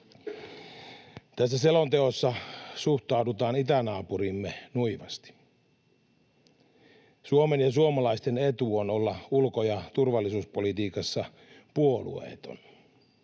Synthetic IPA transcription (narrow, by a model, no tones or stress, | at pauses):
t̪æsːæse̞lont̪e̞osːɑsuht̪ɑudut̪ɑːnit̪ænɑːpuɾimːenuiʋɑst̪i̥ | suomenjɑs̬uomɑlɑist̪e̞ne̞t̪uono̞lːɑulkojɑt̪urʋɑlːisuːspo̞lit̪iːkɑsːɑ | puolṵḛːt̪o̞̰n